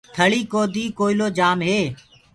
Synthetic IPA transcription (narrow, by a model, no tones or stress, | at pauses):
t̪ʰəɭiːkoːd̪iːkoːiloːd͡ʒaːmɦeː